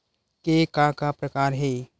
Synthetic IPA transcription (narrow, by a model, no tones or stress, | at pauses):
kekãːkapɾəkaːɾɦeː